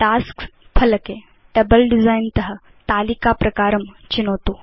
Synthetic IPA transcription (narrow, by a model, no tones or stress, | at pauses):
ʈaskpʰɐləke | ʈəbəlɖizajnt̪ɐɦə | t̪aːlikapɾɐkaːɾəmt͡ɕinoːt̪o